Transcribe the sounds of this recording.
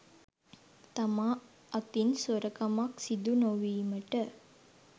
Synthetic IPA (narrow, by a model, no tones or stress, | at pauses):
t̪amaː | ɐt̪insoɾəkɐmaksid̪unoʋiːməʈə